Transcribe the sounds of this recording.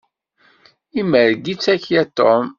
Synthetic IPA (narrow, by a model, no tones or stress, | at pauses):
iməɾɡit͡sːæçjæt̪ːom